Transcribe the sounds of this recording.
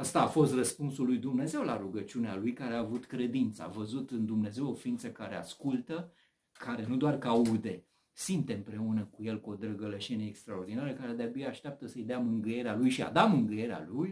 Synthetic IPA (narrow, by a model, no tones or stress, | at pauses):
ast̪aːfo̞st̪rəspunsulːujd̪umne̞ze̞wlaɾuɡət͡ʃunealujkaɾeaːvut̪kɾe̞d̪int̪sə̰a̰vəzut̪ɨnd̪umne̞ze̞wo̞fiint̪səkaɾe̞a̰skult̪ə | kʰaɾe̞nud̪oarkaud̪e̞ | simt̪e̞ɨmpɾe̞unəkuje̞lkuo̞d̪ɾəɡəleʃeneːkst̪ɾaord̪inaɾəkaɾe̞d̪eabijaaʃt̪eap̚t̪əsəjd̪eamɨŋɡɨje̞ɾealujʃia̰d̪amɨŋɡɨje̞ɾea̰luj